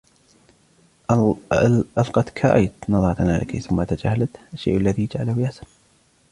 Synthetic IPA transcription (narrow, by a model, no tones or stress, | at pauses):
alqɑt̪kʰa̰ʔajt̪nɑðˤɑɾˤt̪anaːlʔɪ̰kḭθʊmːat̪ad͡ʒahːalat̪ʔaʃːḛjːʔalːaðijd͡ʒʕalhʊjasan